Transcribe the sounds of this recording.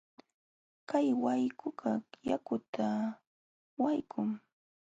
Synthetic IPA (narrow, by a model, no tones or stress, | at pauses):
kajwajkʰʊɢɑjakʊt̪ʰa | wajkʰʊŋ